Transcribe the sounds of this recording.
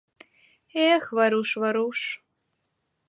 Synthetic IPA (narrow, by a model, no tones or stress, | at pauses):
eχvɐɾuʂvɐɾuʂ